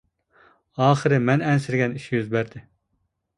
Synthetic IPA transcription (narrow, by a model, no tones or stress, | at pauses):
ɑːχɨɾɨmɛnɛnsɪɾɡʲɛniʃijyzbæɾd̪ɪ